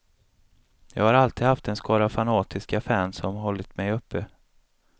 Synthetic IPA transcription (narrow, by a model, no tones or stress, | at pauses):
jɑ̰ːɡhaɾalt̪iːd̪haft̪ɛnskʰɑːɾavfanɑːt̪ʰɪskafæːnsɔmɦɔlːɪt̪mɛjɵpʰːə